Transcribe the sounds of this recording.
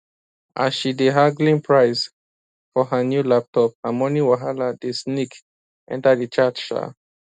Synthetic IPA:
ʔa̰sʃideɦaɡlĩnpʰɹaɪs | fɔɦənjulap̚tʰɔp̚hamɔ̃niwaɦaladesnik | ʔɛ̰̃ntadət͡ʃat͡ʃʃa̰

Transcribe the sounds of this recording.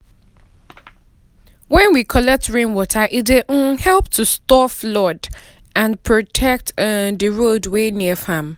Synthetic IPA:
wɛ̃nwikʰɔlɛk̚tɹẽnwɔtʰaʔiteʔ̩hɛlˠp̚tʰustɔflɔd | ãnpʰɹotʰɛk̚tðəɹodweniəfãm

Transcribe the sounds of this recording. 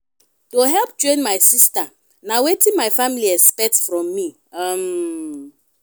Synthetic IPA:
toɦɛlˠp̚t͡ʃɹẽnmajsista | nawetĩnmajfamiliɛspɛtsfɹɔ̃mːi | am

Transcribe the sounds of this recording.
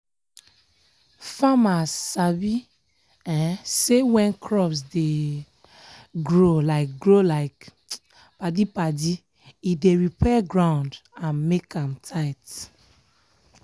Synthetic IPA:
famasabi | ɛ̃sewɛ̃nkʰɹɔpsde | ɡɹolaɪk̚ɡɹolaɪk | padipadi | ideɹipɛɡɹãʊ̃ndãnmekãmtʰaɪt

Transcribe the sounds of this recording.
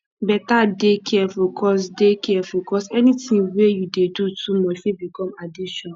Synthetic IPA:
bɛtadekʰɛfukʰɔs̬dekʰɛfukʰɔsɛnitĩŋwejudedutumɔfebikɔ̃madiʃɔ̃n

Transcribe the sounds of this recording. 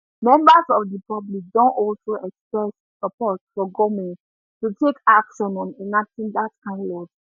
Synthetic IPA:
mɛ̃mbəsɔfdəpablik̚dõntɔlsoʔɛkspɹɛs | səpɔtfɔɡomɛ̃n | tutʰekakʃɔnɔ̃mĩnatĩŋdatkãɪ̃ndɔv

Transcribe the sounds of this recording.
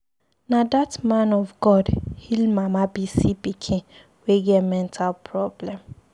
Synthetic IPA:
nadatmãnɔvɡɔdhilmamabisipikʰĩn | weɡɛtmɛ̃ntʰalpʰɹɔblɛ̃m

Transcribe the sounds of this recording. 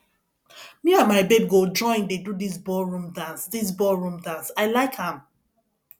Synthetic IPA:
miãnmaɪbeb̚ɡod͡ʒɔ̃ɪ̃ndedudis̬bɔlɹũmdãnsdis̬bɔlɹũmdãnsaɪlaɪkhãm

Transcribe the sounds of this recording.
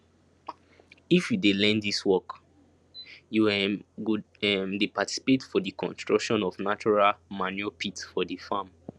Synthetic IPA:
ifjudelɛ̃ndiswɔk | juɡu | ɛmdepati̥si̥petfɔdikɔ̰̃nstɹ̥akʃɔ̃nɔvnat͡ʃɔɹalmanjɔpʰitfɔdifam

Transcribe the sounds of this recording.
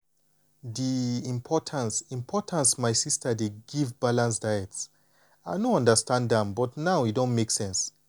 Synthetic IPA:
ðiĩmpʰɔtʰə̃nsĩmpʰɔtʰə̃nsmajsistʰədiɡivbalãnsdajɛts | aɪnoʌ̃ndəstãnddɛ̃mbɔtnawidõntmeksɛ̃ns

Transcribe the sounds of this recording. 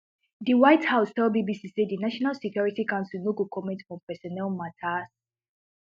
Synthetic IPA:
diwaɪthaʊstɛlbibisisedinaʃɔnalsikjɔɹitikãʊ̃nsilnoɡokʰɔmɛ̃ntfɹɔ̃mpɛsɔnɛlmatʰas

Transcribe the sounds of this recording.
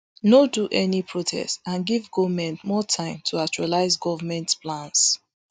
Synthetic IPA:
noduʔɛnipʰɹotʰɛ̰stãnɡivɡɔvmɛ̃ntmɔtʰãɪ̃mtʰuakt͡ʃualaɪzɡɔvmɛ̃ntpʰlãns

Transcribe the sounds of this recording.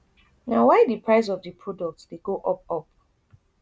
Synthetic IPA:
nawaɪdipʰɹaɪs̬ɔvdipʰɹɔdɔk̚tdeɡoʔɔp̚ɔp̚

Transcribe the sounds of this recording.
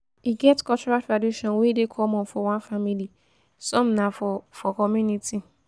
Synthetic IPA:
iɡɛtkʰɔt͡ʃɔɾatʰɹaduʃɔ̃nwedekʰɔmɔ̃nfɔwãnfamili | sɔ̃mnãfɔfɔkʰɔmjũnitʰi

